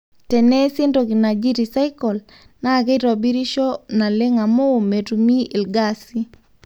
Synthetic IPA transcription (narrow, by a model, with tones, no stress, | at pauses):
tɛ˨nɛ˦sɪ˦ndo˨ki˨na˨d͡ʒi˦ɾi˨sa˦ikɔ˨l | na˦˨ke˦ɾɔ˨bi˦ɾi˦ʃɔ˦na˨le˦ŋa˨mo˦˨me˨tu˨mi˦i˨lɡasi˦